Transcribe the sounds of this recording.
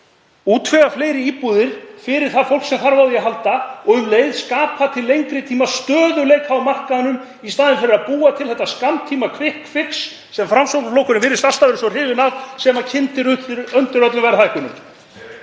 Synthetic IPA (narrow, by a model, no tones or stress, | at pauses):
uːt̪ʰvɛɣafleːjɾɪiːpuðɪɾ̥fɪɾɪɾ̥θaðfowlksɛmθaɾvawðɪaɦalt̪aɔɣʏmleːjðskaːpʰat̪ʰɪlːejŋkɾɪt̪ʰiːmast̪œːðʏlejkhawmar̥kaðanʏm | ist̪aːðɪnfɪɾɪɾaðpuːat̪ʰɪlθɛht̪ːaskamt̪ʰiːmakʰvɪhkfɪksː | ɛmfɾamsowpʏflowkʏnʏmvɪːɾɪst̪ast̪avɛɾɪsɔr̥ɪːvɪnaðsɛmacʰɪnt̪ɪɾʏt̪lʏɾœnt̪ʏɾœt̪lʏmvajɾθajhkʏnːʏ̰